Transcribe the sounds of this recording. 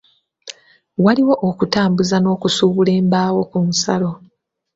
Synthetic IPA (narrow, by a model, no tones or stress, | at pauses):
waliwo̞ʔokutaːmbuzano̞ːkusuːβule̞ːmbaːwo̞kumusa̰lo̞